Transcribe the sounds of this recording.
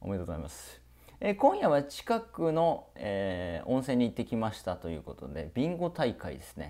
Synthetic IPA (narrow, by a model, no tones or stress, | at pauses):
omeid̪ooza̰imasɨ̥ | ekõ̞ɰ̃jaβat͡ɕi̥kakɯ̟no̞eõ̞sẽ̞ɲ̟ːit̪ːe̞kʲimaɕi̥t̪at̪o̞jɯ̟ːko̞t̪o̞̰d̪e̞bʲĩŋɡo̞t̪aikaḭd̪e̞sɨ̥ne̞̰